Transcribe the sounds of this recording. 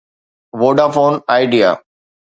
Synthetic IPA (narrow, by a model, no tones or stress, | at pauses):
ʋoːɖaːfoːnaːɪɖija̰ː